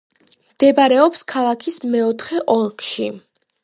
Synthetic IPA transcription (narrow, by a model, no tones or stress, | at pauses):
md̪̥ɛbaɾɛɔpskʰalˠakʰismɛɔt̪ʰχɛʔɔlˠkʰʃi